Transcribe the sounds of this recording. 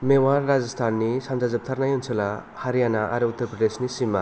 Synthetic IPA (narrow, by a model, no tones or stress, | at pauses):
mewaɾːazast̪ʰanːisand͡ʒazap̚t̪ʰaɾnajɔnsʰɔla | haɾijanaʔa̰ɾuut̪ːɐɾpɾɐdesnisima